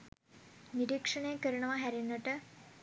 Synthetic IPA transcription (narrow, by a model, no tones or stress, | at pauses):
niɾiːkʂɐɳekːɐɾuɳɐʋaɦɐɾinːɐʈːɨ